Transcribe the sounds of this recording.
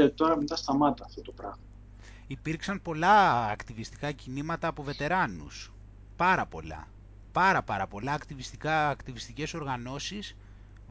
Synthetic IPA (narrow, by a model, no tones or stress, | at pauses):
et̪o̞ɾɐmet̪ɐst̪ɐmɐt̪ɐːft̪ot̪opɾɐɣmɐ | ipiɾksɐmpo̞lɐːkt̪ivist̪ikɐcinimɐt̪ɐːpo̞ve̞t̪e̞ɾɐnṵs | pɐɾɐpo̞̰lɐ̰ | pɐɾɐpɐɾɐpo̞lɐːkt̪ivist̪ikɐːkt̪ivist̪ice̞so̞ɾɣɐno̞sis